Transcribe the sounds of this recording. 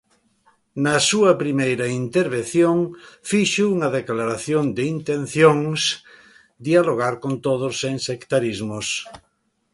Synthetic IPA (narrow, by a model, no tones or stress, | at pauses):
nɐsuɐpɾimejɾɐint̪eɾβ̞enθjoŋfiʃouŋɐðeklaɾaθjond̪ɪint̪ẽnθjoŋs | d̪ialoɣ̞aɾkont̪oð̞ʊseŋsekt̪aɾizmos